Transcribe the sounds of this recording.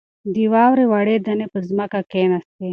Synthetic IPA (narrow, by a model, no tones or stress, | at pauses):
d̪iwɑːwɾewaɽed̪anepəzməkakenast̪e